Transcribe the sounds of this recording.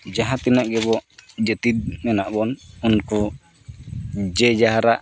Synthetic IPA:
d͡ʒaɦat̪inaʔɡɛbɔʔd͡ʒɛt̪id̪̚mɛnaʔbɔnunku | d͡ʒɛd͡ʒaɦaɾaʔ

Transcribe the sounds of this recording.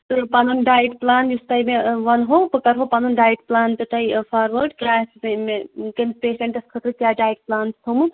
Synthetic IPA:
t̪ɨpanunɖaːjʈplaːnjust̪ɐjmeʋɐnɦoːpɐkɐɾɦopanunɖaːjʈplaːnt̪et̪ɐjfʰaːɾʋəɾɖkjaːsɐmekɐnpeːʃeɳʈɐskʰət̪ɾɨkjaːɖaːjʈ̚plaːnsʰt̪ʰomɨ

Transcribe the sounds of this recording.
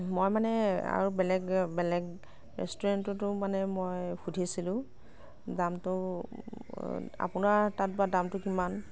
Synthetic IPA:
mojmanɛa̰ɹubɛlɛɡbɛlɛɡ | ɹɛ̰stuɹantɔtʊmanɛmojxʰudʱisilʊ̃ | damtʊ | a̰pʊnaɹtat̚badamtʊkiman

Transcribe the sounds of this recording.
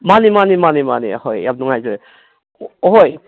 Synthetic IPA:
manimanimanimanḭhojjab̚nuŋajzɯ | ɔɦoj

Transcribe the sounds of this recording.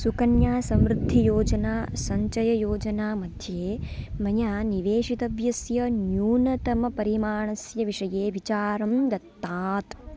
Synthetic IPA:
sukɐnjaːsɐ̃mɾud̪ʱːijoːd͡ʒɐnaːsɐɲt͡ʃɐjɐjoːd͡ʒɐnaːmɐd̪ʱjeːmɐjaːniʋeːʂit̪ɐʋjɐsjɐnjuːnɐt̪ɐmɐpɐɾimaːɳɐsjɐʋiʂɐjeːʋit͡ʃaːɾɐmd̪ɐt̪ːaːt̪

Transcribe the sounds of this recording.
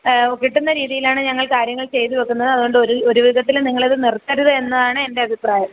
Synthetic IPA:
kːiʈːunːɐɾiːðijilaːɳɨɲɐŋːɐɭkaːɾjɐŋːɐɭt͡ɕe̞jt̪iʋekːunːɐðɨɐðuɣo̞ɳɖɨoɾuoɾuʋiðʱɐt̪̬ːilniŋːɐɭiðɨnirt̪ːɐɾuðɨe̞nːɐðaːɳɨende̞ɐbʱipraːjɐm

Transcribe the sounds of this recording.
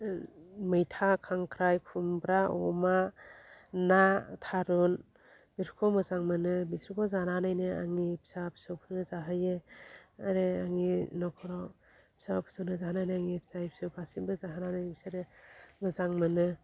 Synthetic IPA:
mɯjtʰakʰaŋkʰɾajkʰumbɾaɔ̰ma | natʰaɾun | biɾʰkʰɔmɯzaŋmɯnɯbisɾikʰɔzananajnɯa̰ŋipʰi̥sapʰi̥sawpʰɯnɯzaɦɯjeaɾeaŋinɔkʰɔɾɔ | pʰi̥sapʰɯ̥sawnɯzaɦanajnɯaŋipʰi̥saipi̥sɯwpʰasibɯzaɦananajpʰi̥saɾɯmɯzaŋmɯnɯ

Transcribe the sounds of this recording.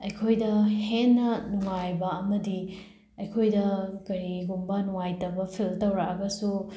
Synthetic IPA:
ɐjkʰojdɐhenːɐnuŋajbɐːmɐdi | ɐjkʰojdɐkɐɾiɡumbɐnuŋajtɐbɐpʰiltɐwɾakɐɡɐsu

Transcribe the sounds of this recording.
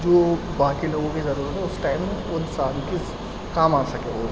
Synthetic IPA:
d͡ʒoː | ʋɐɦãkiloːɡõkizɐɾuːɾət̪ɦɛʊsʈaːɪmːẽʊnsaːlki | kãːmaːsɐkẽoːɾ

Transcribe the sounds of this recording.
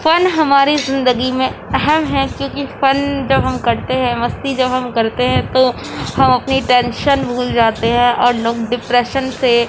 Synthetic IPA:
fɐnɦɐmaːɾizɪ̃nd̪əɡimẽɛɦɛmɦɛ̃kjõːkifɐnd͡ʒɐbɦɐmkɐɾt̪eɦɛ̃mɐst̪id͡ʒɐbɦɐmkɐɾt̪eɦɛ̃t̪o | hɐmɐpniʈɛ̃ːnʃənbʱuːld͡ʒaːt̪eɦɛ̃ʔɔːɾloːɡɖɪpɾɛːʃənse

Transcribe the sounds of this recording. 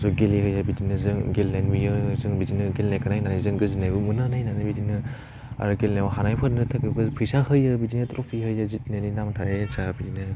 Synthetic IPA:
sɔɡelihɯjabidinɯzɯŋɡelnanmijɯzɯŋbidinɯɡelnajkʰanajnanajzɯŋɡɯzinajbɯmunɯnajnanabidinɯ | a̰ɾɡelnawaɦanajpʰɯɾnɯtʰakiɡɯpʰisahɯjɯbidinɯtɾɔpʰiɦɯjɯzit̚neninamtʰaɾet͡ʃabidinɯ

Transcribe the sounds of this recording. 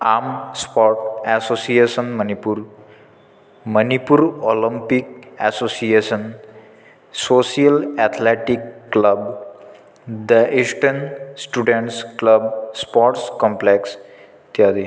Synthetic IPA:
amspɔʈɛsosiesənmənipuɾ | mənipuɾoləmpik̚ɛsosiesən | sosijəlɛt̪ʰleʈikːləb | d̪əisʈənsʈuɖeɳʈskləbspɔʈskɔ̃mpleks | t̪jad̪i

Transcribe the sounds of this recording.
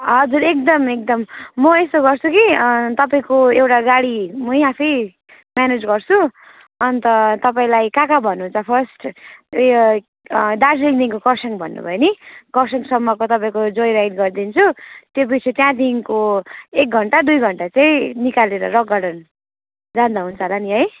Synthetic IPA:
ɦʌd͡zuɾek̚d̪ʌmek̚d̪ʌmːʌest̪oɡʌrt͡sʰukit̪ʌpaĩkoewʈaɡaɽimʌjapʰʌj | mjaned͡zɡʌrt͡sʰu | ʌnt̪ʌt̪ʌpaĩlajkakabʱʌnːunt͡sʰʌpʰʌrsʈ | d̪aslikd̪inkokʌsʌŋbʱʌ̰nːṵbʱʌenikʌsʌŋsʌmːʌkot̪ʌpãĩkod͡zojɾajɖɡʌrd̪int͡sʰut̪jobit͡sʰet̪jãd̪inkoek̚ɡʱʌɳʈad̪ujɡʱʌɳʈat͡saĩnikaleɾʌ̰ɾʌk̚ɡʌɽʌn | d͡zand̪aɦunt͡sʰʌlaniɦʌj

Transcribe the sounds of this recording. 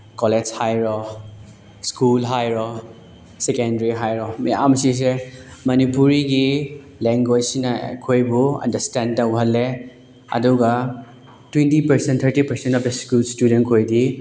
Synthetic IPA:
kɔled͡ʒhajɾɔ | skulɦajɾɔ | sekendɾiɦajɾɔmeja̰msis̬emɐnipuɾiɡi | leŋɡod͡ʒsinɐkʰojbuɐ̰ndɐɾstentɐwɦɐlːe | ɐ̰duɡa | twentipɐɾsent̪ʰɐɾtipɐɾsentɔpdeskulstudentkʰojdi

